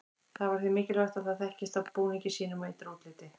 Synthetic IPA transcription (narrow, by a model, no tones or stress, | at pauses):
θaðvaɾ̥θvimɪːcɪlvœht̪aθaðθɛhcɪst̪awpuːnicɪsiːnʏmejt̪ɾoːt̪lɪːt̪ɪ